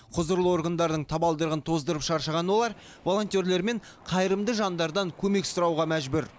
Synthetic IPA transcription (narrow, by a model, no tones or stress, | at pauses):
qʰʊzəɾlˠəwo̞ɾɡənd̪ɑɾd̪əɴt̪ʰɑbɑlˠd̪əɾʁənt̪ʰo̞zd̪əɾəpʃɑɾʃəʁɑnwo̞lˠɑɾ | vo̞lˠo̞nt̪ʲje̞ɾle̞ɾme̞ɴ | qʰɑjɾəmd̪əʒɑnd̪ɑɾd̪ɑŋkʲʰɵme̞ksʊɾɑwʁɑmæʒbɵɾ